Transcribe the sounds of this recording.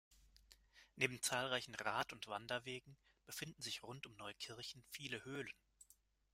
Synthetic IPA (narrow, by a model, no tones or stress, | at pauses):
neːbm̩t͡saːlʁaɪçn̩ʁaːtʊntv̥andɐveːɡŋ̩ | b̥əfɪndn̩zɪçʁʊntʊmnɔʏkʰɪɐçn̩fiːləhøːlən